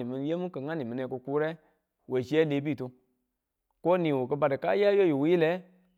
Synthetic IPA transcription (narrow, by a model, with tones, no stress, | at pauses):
i˨mĩ˨n˦je˦mũ˦kə˨ŋa˦nĩ˨mĩ˨nɛ˨˧˨ko˧ku˦ɾɛ˦ | we˨d͡ʒi˨˦ɛ˦le˨˦bi˦˨tu˧ | ko˦nĩ˨wo˨kə˧ba˨dɨ˨ka̰˦ja˦jo˦jo˨wu˦ji˦lɛ˨˦